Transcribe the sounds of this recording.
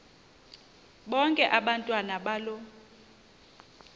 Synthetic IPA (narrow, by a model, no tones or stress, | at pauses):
ɓɔŋkʼɛʔaɓantʼwanaɓalɔ